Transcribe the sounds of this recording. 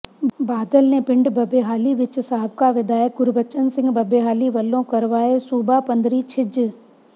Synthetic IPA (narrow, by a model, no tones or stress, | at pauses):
baːd̪əlnepɪ̃ɳɖbɐbeɦaːliʋɪt͡ʃsaːəbkaʋɪd̪aːjək̚ɡʊɾbət͡ʃənsɪ̃ŋɡbɐbeːɦaːliʋɐlːõkɐɾʋaːesuːbapɐ̃nd̪ɾit͡ʃʰɪd͡ʒ